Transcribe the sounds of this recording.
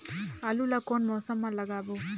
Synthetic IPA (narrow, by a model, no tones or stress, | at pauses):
ɐlulɐkonmɔːsɐmːɐlːɐɡaːbu